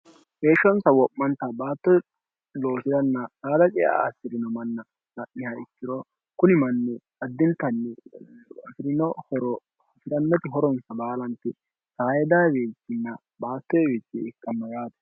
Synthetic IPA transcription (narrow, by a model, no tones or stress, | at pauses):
he̞ːʃːɔnsɐwɔpːɐnt̪ɐbaːt̪ːɔ | lo̞ːsɪd̪ɐnːɐsaːd̪ɐt͡ʃʼɛja̰ːsːɪɾɪnɔmɐnːɐ | nɐʔnɪhɐɪkːɪɾɔ | kʊnɪmɐnːɛ | ɐd̪ːɪnt̪ɐnːɛɐfɪɾɪnɔhɔɾɔ | sɪɾɐnːɐt̪ɪɦɔɾɔnsɐbaːlɐnt̪ɪ | sɐhɐjɛd̪aweːt͡sːɪnːɐ | baːt̪ːɔjɛweːt͡ʃːɪɪkːɐmːɐɡaːt̪ɛ̥